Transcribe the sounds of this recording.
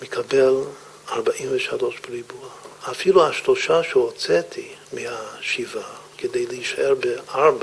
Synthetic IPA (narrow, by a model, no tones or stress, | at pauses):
mekʰabel | aɾbaʔimvɛʃaloʃbeɾibuaːfiluhaʃloʃaʃɛot͡sɛtʰimihaʃivakedejleiʃaʔeɾbeaɾba